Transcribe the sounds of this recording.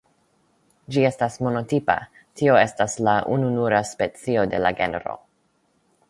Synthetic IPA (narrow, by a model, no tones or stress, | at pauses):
d͡ʒie̞stasmo̞no̞tipa̰ | tio̞e̞staslaʔununuɾaspe̞t͡sio̞de̞̰la̰ɡe̞̰neɾo̰